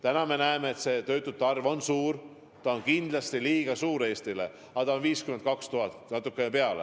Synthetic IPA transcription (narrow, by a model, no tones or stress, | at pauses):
t̪ænɑme̞næemeːt̪se̞t̪ø̞ːt̪ːˑud̥̪̚t̪ɑrvo̞nsuːr | t̪ɑonkind̪̥lɑst̪iliːɡ̥ɑsuːɾe̞ːst̪ile̞̰ | ɑt̪ɑonviːskyme̞nt̪̚kɑkst̪uɦɑt̪nɑt̪ːˑukːˑe̞nepe̞ɑlḛ